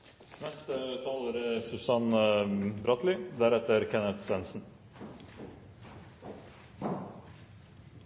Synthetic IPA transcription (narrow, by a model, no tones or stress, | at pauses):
nɛst̪ət̪ʰɑloːɾəsʉsɑnbɾɑt̪lɪd̪æɾɛt̪əɾkʰɛnət̪sʋɛnsn̩